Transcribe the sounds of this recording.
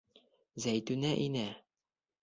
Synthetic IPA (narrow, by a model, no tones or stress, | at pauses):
zæjt̪ʉnæʔinæ